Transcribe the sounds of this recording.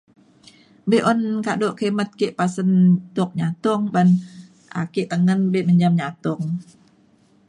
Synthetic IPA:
beʔɔnkadoʔkemət̪̚keʔpasənt̪ʊk̚ɲat̪ʊŋban | ʔa̰keʔt̪əŋənbeməɲd͡ʒamɲat̪ʊŋ

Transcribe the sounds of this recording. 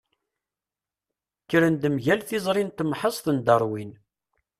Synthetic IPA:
kːɾənd̪əmʝælθɪzˤɾˤint̪mħəsˤθənd̪əɾˤwin

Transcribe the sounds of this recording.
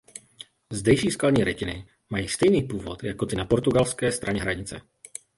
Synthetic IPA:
zd̪ɛjʃiːskadɲiːɾɛcɪnɪ̰ | majiːst̪ɛjniːpuːvo̰t̪jakot̪ɪnapoɾt̪uɡalskɛːst̪ɾaɲɛɦɾaɲɪt͡sɛ̰

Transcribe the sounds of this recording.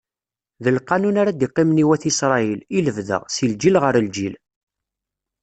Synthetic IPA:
ðəlqːɑnunaɾad̪iqːɪmniwæθisɾˤɑililəvðə̰ʁsild͡ʒilʁəɾəld͡ʒil

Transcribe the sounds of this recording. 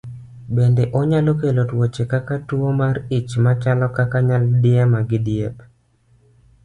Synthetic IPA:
bendeʔɔɲalokelotwot͡ʃekakatuomarɪt͡ʃmat͡ʃalɔkakaɲaldɪamaɡɪdɪep

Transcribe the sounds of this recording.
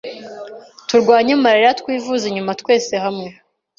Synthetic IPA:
tuɾɡwaːɲemaɾeɾatkwiːvuziɲumatkwe̞ːse̞hamŋe̞

